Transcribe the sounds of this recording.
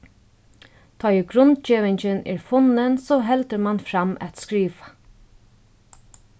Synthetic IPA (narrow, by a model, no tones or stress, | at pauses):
t̪ʰɔːjiɡɾʊnt̪t͡ʃeːʋɪɲt͡ʃɪnɛ̰ːɹfʊnɪnsɔːɦɛlt̪əɾmanfɾamʔæ̰t̪skɾiːʋḁ